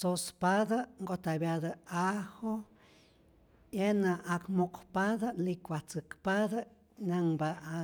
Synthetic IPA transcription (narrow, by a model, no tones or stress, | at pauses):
sospad̪aŋɡot̪abjad̪aaho | enaʔakmokpad̪alikʷat͡sɨkpad̪a | naŋbaa